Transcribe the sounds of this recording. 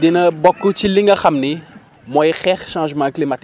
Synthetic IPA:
dinɐbɔkːut͡ʃiliŋɡɐxɐmni | mɔjxɛɾʃɑ̃ːʒmãːklimat̪

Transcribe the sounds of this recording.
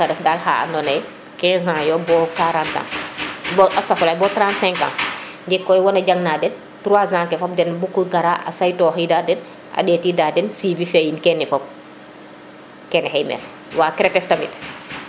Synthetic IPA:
kadɛfdaːlha̰a̰nɔnaj | kɛ̃ːzãːjɔbɔkaɾãːntã̰bɔʔasafulaːjbɔːtɾãnsɛ̃ŋkã̰ː | ndikːɔjwɔnaɟaŋnaːdɛn | tuɾuwaːzãːkɛfop̚dɛnbukuɡaɾaʔa̰sajtɔːxidadɛn | ʔa̰dɛːtidadɛnsibifejinkɛnifɔp̚ | kɛnɛhɛjmɛ̰l | waːkɛɾetɛftamḭt

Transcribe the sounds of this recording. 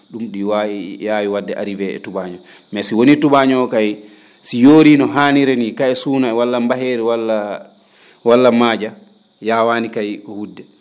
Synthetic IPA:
ɗumɗiwajaːwiwadːɛʔa̰ɾivɛɛ̰tubaːɲɔ | mɛsiwonituɓaɲɔkaj | sijoːɾinɔɦaniɾenikaɛsuːnaɛwalːambaɦeːɾiwalːa | walːamaːd͡ʒa | jawaːnikajkɔhudːɛ

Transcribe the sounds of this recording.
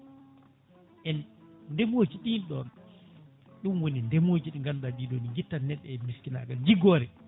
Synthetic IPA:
ʔɛnndɛmoːd͡ʒiɗinɗɔn | ɗumwonindɛmod͡ʒiɗiŋɡandaɗiɗoniŋɡitːanːɛɗːɛmiskina̰ɡald͡ʒiɡɔːɾɛ

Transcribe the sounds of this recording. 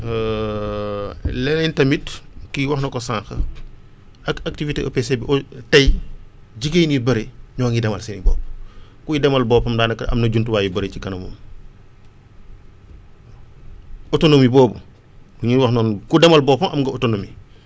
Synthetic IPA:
lɛnɛntɐmitkiwɐxnɐkɔsãŋxə̰ | ɐkak̚tiviteʔo̰pesebiʔɔtɐj | d͡ʒiɡejnibɐɾeɲɔːŋidɐmɐlsɛnibɔ̰ːp | kuidɛmɐlbɔːpɐmdaːnɐkɐ̰mnɐɟuntuwaːjubɐɾecikɐnɐmo̰ːm | ɔtonomibɔːbṵ | kuɲiwɐxnɔːnkudɛmɐlbɔːpɐmʔɐmɡɐotonomi

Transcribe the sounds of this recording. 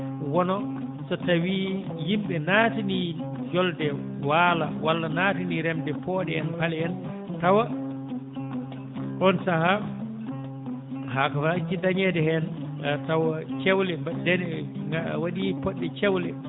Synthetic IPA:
wɔnɔsɔtawiː | jimɓɛnaːtinid͡ʒɔldɛ | walawalːanaːtiniɾɛmdɛpɔːɗɛɛnhalɛɛn | tawa | kɔnsaha | hakafat͡ʃidaɲɛdɛɦɛn | tawat͡ʃɛwlɛadɛnɛawaɗipɔɗːɛt͡ʃɛwlɛ

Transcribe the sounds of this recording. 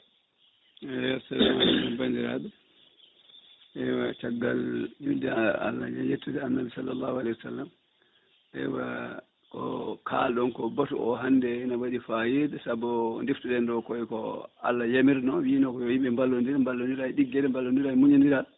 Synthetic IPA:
ajasalːamanɔmbandiɾa̰ːɗu | ʔɛwat͡ʃaɡːaljundɛa̰lːa̰jajetːudɛanːabisalːalːahualɛjwasa̰lːam | ʔɛ̰wa | kɔ̰kʰa̰lɗɔnkɔbatuɔ̰ɦandɛinawaɗifajedɛsabːɔndiftuɗɛndɔkɔikɔ̰a̰lːajamiɾnɔwiːnɔkɔjɔjiɓɛmbalːondiɾambalːondiɾaiɗiɡːɛɾɛmbalːondiɾaimuɲindiɾa

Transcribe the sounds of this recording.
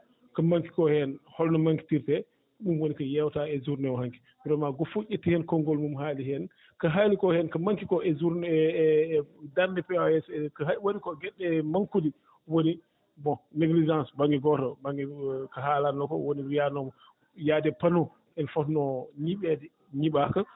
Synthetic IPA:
kamaŋki̥kɔhɛnhɔlnɔmaŋki̥tiɾtɛ | mumwonikajɛwtaɛzuɾnɛwɔɦaŋki̥ | bɾɔmaɡofuʔetːihɛnkɔŋɡɔlmumhaːlihɛn | kaɦalikɔhɛnkamaŋkikɔɛzuɾn | daɾnɛpɛwajɛsɛkawoɗikɔɡɛɗːɛmaŋkudi | woni | bɔ̃neɡlid͡ʒãnsbaŋɡiɡɔtɔbaŋɡikaɦalanːɔkɔ̰woniɾijanɔm | jadɛpanɔ | ɛnfɔtnɔɲiɓɛdɛ | ɲiɓaka

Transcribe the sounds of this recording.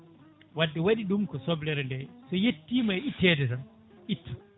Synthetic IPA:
wadːɛwaɗiɗumkɔsɔblɛɾɛndɛsɔjetːiːmajitːɛːdɛtan | itʰːɔ̥

